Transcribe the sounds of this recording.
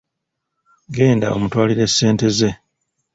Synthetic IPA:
ɡe̞ːnda̰o̞̰mutwaːliɾe̞sːe̞ːnte̞ze̞

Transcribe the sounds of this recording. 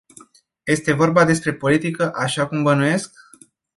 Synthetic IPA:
je̞st̪e̞vo̞rbad̪e̞s̬pɾe̞po̞lit̪ikəʔaʃakumbənuje̞sk̚

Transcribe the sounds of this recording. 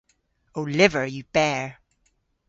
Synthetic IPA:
oʊlɪvə˞jɨb̥ɛɹ

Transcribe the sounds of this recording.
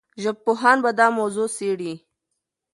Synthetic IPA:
ʒəb̚poɦɑːnbad̪ɑmozoseɽi

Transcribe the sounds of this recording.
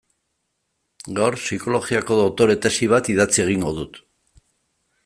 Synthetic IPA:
ɡawɾsiko̞lo̞ɣiako̞ðot̪o̞ɾe̞t̪e̞siβ̞at̪iðat͡sie̞ɣ̞iŋɡo̞ð̞ut̪

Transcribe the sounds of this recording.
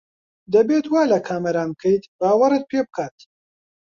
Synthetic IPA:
d̪ɐbeːt̪waːlɐkʰaːmɐɾaːmkʰɐjt̪baːwɐɾɨt̪̚pʰeːbɨkʰaːt̪

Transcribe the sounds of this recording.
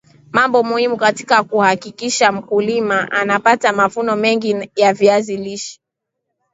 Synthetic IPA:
mambɔmuhimukati̥kakuhakikiʃam̩kulimaʔanapatamavunɔmɛŋɡijaviaziliʃi̥

